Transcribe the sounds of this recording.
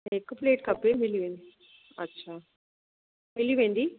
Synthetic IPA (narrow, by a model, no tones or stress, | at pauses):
ekːɐpleːʈkɐpːemiliʋeːɳɖi | ɐ̰tːɕʰa | miliʋeːɳɖ̪i